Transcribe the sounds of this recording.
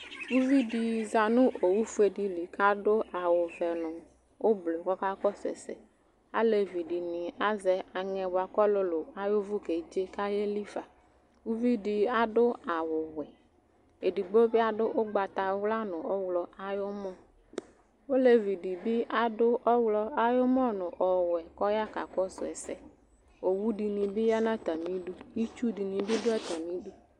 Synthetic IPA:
wu˦vi˦di˨za˨nũ˦ʔo˨wu˦fu˦e˨di˨li˨ka˦ɖo˦a˨wʊ˨vɛ˨nʊ̃˨ | wo˦ble˨kɔ˦ka˦kɔ˦sɛ̰˨sɛ̰˨ | a̰˦le˨vi˨ɖi˨nĩ˨a˦zɛ˨a˨ŋɛ̃˨ba˨kɔ˦lo˦lo˨a˨jo˦vʊ˦ke˨d͡ʒe˦ka˦je˦li˦va˨ | wu˦vi˦di˨a˦ɖʊ˦a˨wʊ˨wɛ˨ | e˨di˨ɡ͡bo˦bi˦a˦ɖʊ˦ʔʊ˦ɡ͡ba˨t̪a˨˦wla˦nʊ̃˨ɔ˦wlɔ˨a˦jo˦mɔ̃˦ | wo˦le˦vi˨di˨bi˦ʔa˨dʊ˦ʔɔ˦wlɔ˦a˨jo˦mɔ˦nʊ̃˨ʔɔ˨wɛ˨kɔ˦ja˦ka̰˨kɔ˦sʊ˨ɛ˨sɛ˦ | o˨wu˦ɖi˨nĩ˨bi˦ja˦nã˦t̪a˨mĩ˦ɖu˦ji˦t͡ʃu˦di˨nĩ˨bi˦dʊ˦ɛ˦t̪a˨mĩ˦ɖu˦

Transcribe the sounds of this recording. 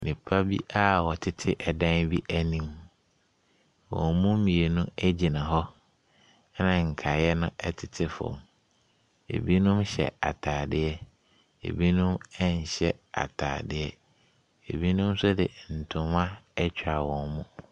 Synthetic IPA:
nĩ˨pʰa˦bi˦ʔa˦wɔ˨tʰɪ˦tʰɪ˦ʔɛ˨dã˦nbi˦ʔæ˦nĩ˦m | wɔ̰̃˨mmũ˦mĩ˨e˨nũ˦ɛ˦d͡ʑi˨nã˨ɦɔ˦ | nã˨ŋ̩˨kʰa˨jɛ˦nʊ̃˦ʔɛ˦tʰɪ˨tʰɪ˦fɔ̰̃˨m | ḛ˨bi˦nʊ̃˦mɕɛ̰˨a̰˨tʰaː˨dɪ˦ɛ˦ | ḛ˨bi˦nʊ̃˦mɛ˦ɲ˨ɕɛ˦a̰˨tʰa̰ː˨dɪ˦ɛ˦ | ḛ˨bi˦nʊ̃˦m˦sʊ˦dɪ̰˨n̩˨tʰʊ̃˨mã˦ɛ˦t͡ɕᶣʰa˨wɔ̃˨nmũ˦

